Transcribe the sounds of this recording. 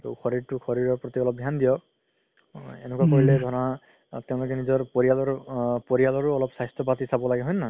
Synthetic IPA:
tɔ̰xʰɔɹiɹtʊxʰɔɹiɹɔɹpɹɔt̪iɔlɔp̚ɡʱjandijɔ | enɛkuwakoɹilɛd̪ʱɔɹɔna | teʊ̃lʊk̬ɛnizɔɹpoɹijalɔɹpoɹialɔɹʊɔlɔpsajstʰɔpat̪isabɔlaɡɛɦɔjna

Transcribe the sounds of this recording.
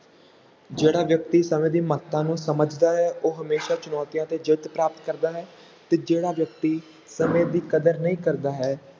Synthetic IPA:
d͡ʒeːɽaːʋjək̚t̪iːsəmẽːd̪iːmət̪ːãːnũːsəməd͡ʒd̪aːɦɛːʔoːɦəmeːʃaːt͡ʃʊnɔːt̪ijãːt̪eːd͡ʒɪd̪pɾaːpət̪kəɾd̪aːɦɛː | t̪eːd͡ʒeːɽaːʋjək̚t̪iː | səmẽːd̪iːkəd̪əɾnəĩːkəɾd̪aːɦɛː

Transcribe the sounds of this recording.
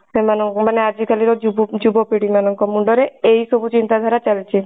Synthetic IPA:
semanɔŋmanead͡ʒikʰaliɾɔd͡ʒubd͡ʒubɔpiɽimanɔŋkɔmuɳɖɔɾeejsobʱut͡ʃint̪ad̪ʱaɾat͡ʃalit͡ʃʰi

